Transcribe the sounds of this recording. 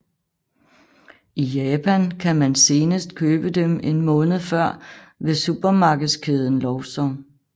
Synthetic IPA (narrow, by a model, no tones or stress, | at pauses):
ijɛːpʰænkʰæmænse̝ːnəsd̥kʰøːb̥əd̥eme̝nmɔ̽ːnð̩ˠfɶɐ̰ʋe̝sub̥ɐmɑ̈ːɡ̥ð̩ˠskʰeð̞ˠən̩lɒʊsɒ